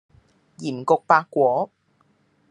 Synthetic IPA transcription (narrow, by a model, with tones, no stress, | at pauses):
jiː˨˩mkʊ˧k̚paː˧kːʷɔː˨˥